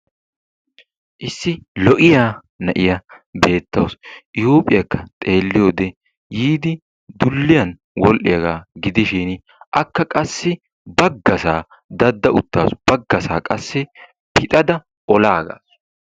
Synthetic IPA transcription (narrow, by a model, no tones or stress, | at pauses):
ʔɪsːɪlɔʔɪjaː | nɐʔɪjɐbe̞ːt̪ːɐwsʔɪjoːpʼɪjɐkːɐt̪ʼe̞ːlːɪjoːd̪ɛ | jiːd̪ɪ | d̪ʊlːɪjɐn | wɔlʔɪjɐɡaːɡɪd̪ɪʃɪn | ʔɐkːɐkʼɐsːɪ | bɐɡːɐsaː | d̪ɐd̪ːɐʔʊt̪ːa̰ːsb̥ɐɡːɐsaːkʼɐsːɪ | pʰɪt̪ʼɐd̪ɐ | ʔɔlaːɡa̰ːs